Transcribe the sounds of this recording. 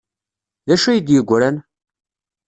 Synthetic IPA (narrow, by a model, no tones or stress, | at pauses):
ðæʃujid̪jəɡʷːɾæn